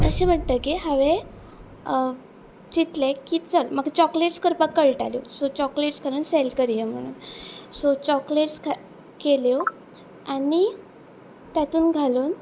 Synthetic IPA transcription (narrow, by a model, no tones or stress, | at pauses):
əɕẽm̤əɳt̪əkiɦaʋe | t͡ɕit̪lekiːt͡səlməɡt͡ɕɔkleʈskəɾpəkːəɭʈa̰ljosot͡ɕɔkleʈsɡʱaluːnselkəɾjem̤əɽ̃ṵːnsot͡ɕɔkleʈsk | keljo | ani | t̪jat̪uːnɡʱaluːn